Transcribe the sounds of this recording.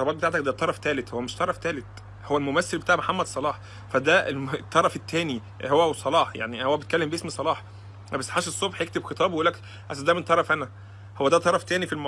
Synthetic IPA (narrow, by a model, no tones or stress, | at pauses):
t̪ɑbɑːt̪bet̪aʕt̪ækd̪æt̪ˤːɑɾˤɑft̪æːlet̪howːæmeʃt̪ˤɑɾˤɑft̪æːlet̪ | howːælmomæsːelbet̪aːʕmoħamːæd̪sˤɑlɑːħ | fæd̪æt̪ˤːɑɾˤɑfet̪ːæːni | howːæsˤɑlɑːħja̰ʕnihowːæbet̪̚kælːembeʔesmisˤɑlɑːħ | bæsːħaːʃesˤːobħjekt̪ebxet̪ˤɑːbweʔulːæk | ʔæsæd̪æːment̪ˤɑɾˤɑfʔænæ | howːæd̪æt̪ˤɑɾˤɑft̪æːnifilmɑ